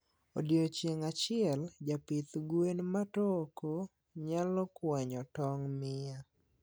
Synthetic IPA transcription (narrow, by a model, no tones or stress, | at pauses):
o̰djot͡ʃjeŋat͡ʃɪɛld͡ʒapit̪ɡwenmatoko | ɲalɔkwɛɲɔtɔŋmɪa